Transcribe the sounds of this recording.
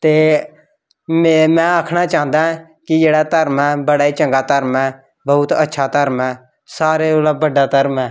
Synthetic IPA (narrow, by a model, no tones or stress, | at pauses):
t̪eː | mmɛ̃ːaːkʰnaːt͡ʃaːɦə̃nd̪aːɛ̃ | kɪd͡ʒeːɽaːt̪əɾmɛːbəɽaːiːt͡ʃə̃ŋɡaːt̪əɾmɛː | bəːʊt̪ətːʃʰaːt̪əɾmɛː | saːɾeːolaːbəɖaːt̪əɾmɛː